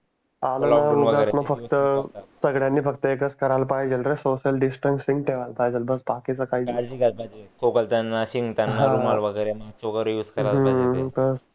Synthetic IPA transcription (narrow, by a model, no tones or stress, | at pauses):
alənamuɡaɾmə̃fəkt̪əsəɡɽjanːiːfəɡt̪əekət͡skəɾalpajd͡ʒelɾesoɕəlɖisʈənsiŋɡʈeʋalpajd͡zəlbəsbakit͡sakaɦiːad͡ʑikabaikʰokəlt̪anːaɕiŋɡt̪anːaãɾumaɾʋəɡəjɾemasoɡəɾjuːskəɾalbəs